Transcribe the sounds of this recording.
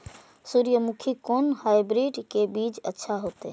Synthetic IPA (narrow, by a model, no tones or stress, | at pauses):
suːɾjəmukʰikoːnhaːjbɾiːɖkebiːd͡ʒə̰tːʃʰaɦoːt̪ḛ